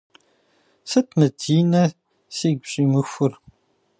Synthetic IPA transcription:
sɐtʰmɨdʰiːnɐ | seːɡʷɕʼiːmɨxʷʊr

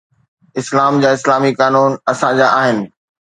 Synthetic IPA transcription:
ɪslaːmd͡ʑaːɪslaːmikaːnuːnɐsãd͡ʑaːʔaːɦɪnɪ̆

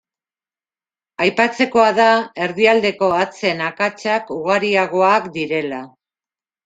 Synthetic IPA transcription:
ajpat͡se̞ko̞aðae̞ɾðiald̪e̞ko̞at͡se̞nakat͡sakuɣaɾiaɣ̞o̞akd̪iɾe̞la

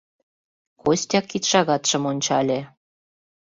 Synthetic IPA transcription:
kosʲtʲɑkːit̪ʃɑɣɑt̪ʃɤ̆monʲt͡ɕɑlʲĕ

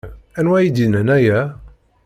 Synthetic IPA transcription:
ænwæjid̪inænæjæ

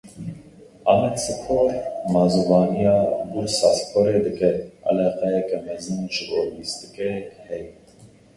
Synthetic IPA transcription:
ɑmɛt̪sɨpʰoːɾmɑzuvɑːnijɑːɡuɾsɑspʰoɾeːd̪ɨkɛɑ̰lɛqɛjɛkɛmɛzɨnʒɨboːwist̪ɨ̥kehɛji

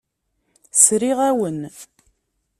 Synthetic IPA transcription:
sɾiʁæwən

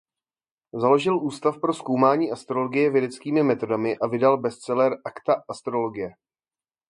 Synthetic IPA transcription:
zalo̞ʒɪlʔuːst̪afpɾo̞sko̞wmaːɲiːast̪ɾo̞loɡɪjɛvjɛdɛt͡skiːmɪmɛt̪o̞damɪʔavɪdalbɛst͡sɛlɛɾʔakt̪aast̪ɾolo̞ɡɪjɛ

